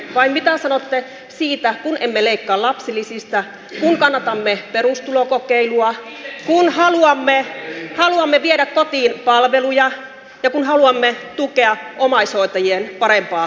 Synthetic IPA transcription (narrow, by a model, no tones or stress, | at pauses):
ʋɑimmit̪æsɑnot̪ːe | siːt̪ækunʔemːeleikːɑːlɑpsilːˑisist̪ɑ | kuŋkɑnːɑt̪ɑmːepeɾust̪ulokokeiluɑ | kunhɑluɑmːehɑluɑmːeʋieɾækkot̪iːnpɑlʋelujɑ | jɑkunhɑluɑmːet̪ukeɑʔomɑisoit̪ɑjienpɑɾempɑː